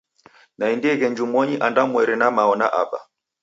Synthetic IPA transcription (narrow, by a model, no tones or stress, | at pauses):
naindiɛɣɛɲd͡ʒumɔɲiʔandamwɛɾɛnamaɔnaʔa̰ɓa̰